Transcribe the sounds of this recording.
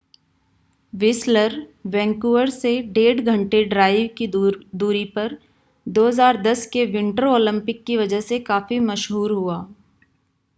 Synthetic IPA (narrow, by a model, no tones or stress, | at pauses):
ʋɪsləɾʋɛ̃ːŋkuːəɾseɖeːʈɡʱɐ̃ɳʈeɖɾaːɪʋkid̪uːɾipɐɾ | d̪oːɦzaːɾd̪ɐskeʋɪ̃ɳʈəɾoːlɪ̃mpɪkːiʋɐd͡ʒəɦsekaːfimɐʃɦuːɾɦuaː